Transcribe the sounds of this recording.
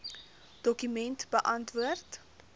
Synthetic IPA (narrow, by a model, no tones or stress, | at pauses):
d̥ɔkymɛntbəʔɐntvuərt